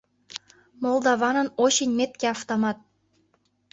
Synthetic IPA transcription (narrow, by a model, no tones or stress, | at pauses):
molˠd̪ɑβɑnɤ̆noɕinʲmet̪̚kʲeɑft̪omɑt̪̚